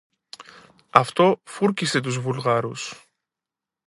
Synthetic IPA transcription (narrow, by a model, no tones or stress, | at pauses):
ɐft̪o̞fuɾcise̞t̪̬uzvulɣɐɾus